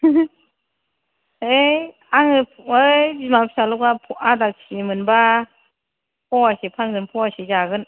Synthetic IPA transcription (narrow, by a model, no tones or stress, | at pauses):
ej | aŋɯpɯbimaŋpʰsalɔkapʰɔadak̚simɯnba | pʰɔasipʰaŋzɯnpʰɔasizaɡɯn